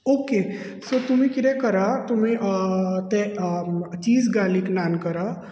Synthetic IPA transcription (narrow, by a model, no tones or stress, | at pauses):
oːke | sot̪umĩkiɾɛkəɾat̪umĩt̪ɛ | t͡ʃiːzɡaːliknaːnkəɾa